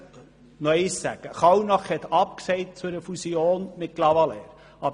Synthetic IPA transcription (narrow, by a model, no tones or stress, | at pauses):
nœɪsːæɡ̥əχɑwnɑχhɛt̪ʰɑp̚ksɛɪtt͡sʊɾəfusioːnmɪt̚klɑʋɑlɛːɾ | ʔɑb